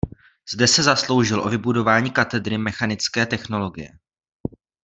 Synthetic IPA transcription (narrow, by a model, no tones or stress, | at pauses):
z̥dɛsɛzaslo̞wʒɪlʔo̞̰vɪbudo̞vaːɲiːkat̪ɛd̪ɾɪmɛxanɪt͡skɛːt̪ɛxno̞lo̞ɡɪjɛ̰